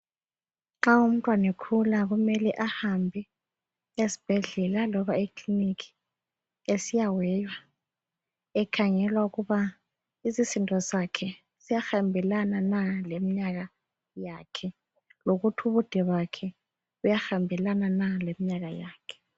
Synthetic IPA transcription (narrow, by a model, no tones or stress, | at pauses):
ŋ͡ǁaum̩tʼwanɛkʰulaɣumɛlɛʔahambʱɛ | esi̥b̥ʱɛɮɛlalɔβaikʰʼlinikʰi̥ | esijawɛːjwa | ɛkʰaŋɛlwauɣuβa | izisintʼɔsakʰɛ | z̥ijaxambʱɛlananalemiɲaɣa | jakʰɛ | loɣutʰuβud̥ʱɛβakʰɛ | ujaxambʱɛlananalemiɲaɣajaːkʰɛ̥